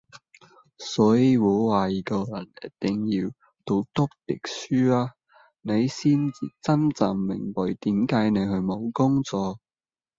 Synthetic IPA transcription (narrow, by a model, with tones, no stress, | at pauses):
sɔː˨˥jiː˨˧wuː˨˧˥waː˨˩jiː˨˧kɔ˧jɐ˨˩njɐ̰˥t̪ɪ˨ŋjiː˧w | t̪o˧wt̪ʊ˥k̚t̪ɪ˨k̚syː˥aː˧ | ne˨˧jsiː˥nt͡sḭː˨˧t͡sɐ˥mt͡sa˨ŋmɪ̰˨˩ŋpɐ˨jt̪iː˨˥mkaː˨˥jne˨˧jhɵ˧ɥmo˨˧wkʊ˥ŋt͡sɔː˨k̚